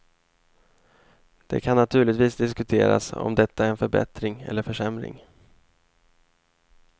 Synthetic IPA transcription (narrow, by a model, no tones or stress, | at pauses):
d̪̥ɛ̰kʰanːat̪ʰʉːɭɪt̪viːsd̪ɪskɵt̪ʰeːɾa̰sɔ̰md̪ɛt̪ʰːaæɾɛnfœɾbɛ̰t̪ɾɪŋɛ̰lːəɾfœʂɛmɾɪ̰ŋ